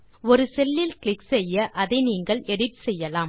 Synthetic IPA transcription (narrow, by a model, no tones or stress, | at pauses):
ɔɾɯsɛlːɪlklɪksɛjːɐʔɐðɐɪniːŋɡɐɭɛɽɪtsɛjːɐlaːm